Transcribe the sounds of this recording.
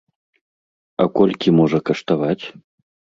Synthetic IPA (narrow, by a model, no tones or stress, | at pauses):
ɐkɔlʲkʲimɔʐɐkɐʂt̪avat͡sʲ